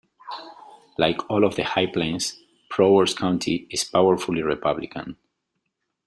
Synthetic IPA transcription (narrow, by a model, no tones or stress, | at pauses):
lajkʰɔlɔvðəhajplẽɪ̃ns | pʰɹowəɹskʰãʊ̃ntʰiɪspawəɹfuliɹipʰʌblikʰã̰n